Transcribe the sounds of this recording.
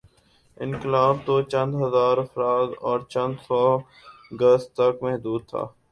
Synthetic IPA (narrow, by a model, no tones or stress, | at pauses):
ɪ̃nkɪlaːbt̪ot͡ʃɐ̃nd̪ɦɐzaːɾɐfɾaːd̪ɔːɾt͡ʃɐ̃nd̪sɔː | ɡəst̪ɐkmɛɦd̪uːd̪̚t̪ʰa̰ː